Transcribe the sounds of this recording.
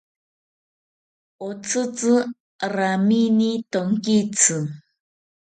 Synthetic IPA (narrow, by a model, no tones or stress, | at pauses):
ot͡sɨt͡sɨ | ɾaminit̪oŋkit͡sɨ